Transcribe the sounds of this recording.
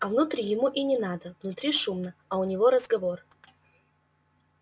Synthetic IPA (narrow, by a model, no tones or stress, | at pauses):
ɐvnʊt̪ɾʲijɪmuʔinʲɪnad̪əvnʊt̪ɾʲiʂumnəɐʊnʲɪvo̞ɾəzɡɐvo̞r